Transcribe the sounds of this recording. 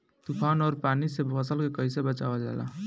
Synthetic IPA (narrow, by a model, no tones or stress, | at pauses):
t̪upʰanɔɾpanisepʰəsəlkekəjsebət͡ʃabad͡ʒa̰la̰